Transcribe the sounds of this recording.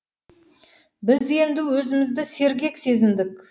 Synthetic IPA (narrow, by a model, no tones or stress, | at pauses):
bɪzje̞nd̪ɪwɵzɪmɪzd̪ɪse̞ɾɡʲe̞kse̞zɪnd̪ɪk